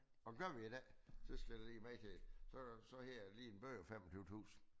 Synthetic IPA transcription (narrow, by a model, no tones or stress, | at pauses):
ɒ̥ɡ̥ɶɐʋiidɛ̰sɒsɡ̥deliːmæɪt͡sʰesɒsɒ̽heɐ̰liːenb̥ø̰ɒfemɒt͡sʰyʊt͡sʰṵːsn̩